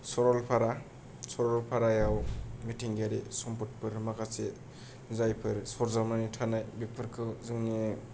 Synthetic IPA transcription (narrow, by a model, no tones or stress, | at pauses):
sɔɾɔlpʰaɾa | sɔɾɔlpʰaɾajawmitʰiŋɡaɾesɔmput̚pʰɯɾmakʰase | zajpʰɯɾsɔɾzamanitʰanajbipʰɯɾkʰɯzɯŋni